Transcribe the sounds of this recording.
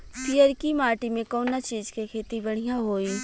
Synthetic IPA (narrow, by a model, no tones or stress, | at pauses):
pijəɾkimaːʈimẽkɔːnːat͡ʃiːzkekʰeːt̪ibɐɽ̤ijãɦoːiː